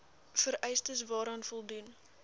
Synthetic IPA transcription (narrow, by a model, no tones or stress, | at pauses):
fəɾɛjstəsvɑːɾɑːnfɔlˠdun